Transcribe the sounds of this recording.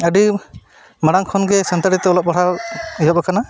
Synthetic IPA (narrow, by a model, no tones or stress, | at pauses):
əɖi | maɽaŋkʰɔnɡɛsant̪aɾit̪ɛɔlɔp̚ɔɽaiɦɔbakana